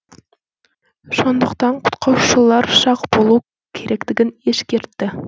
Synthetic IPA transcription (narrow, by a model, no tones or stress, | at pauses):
ʃond̪ɤ̆qt̪ɑɴqu̥t̪̚qʰɑwʃɤ̆lˠɑɾʃɑqbulˠu | kʰiɾæklɘ̆ɡɘneʃkĕɾt̪ːɘ